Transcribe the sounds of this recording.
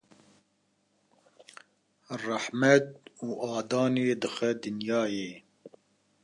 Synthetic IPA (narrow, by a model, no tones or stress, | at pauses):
rɑħmɛt̪̚uːʔɑːd̪ɑːneːd̪ɨxɛd̪ɨnjɑːjeː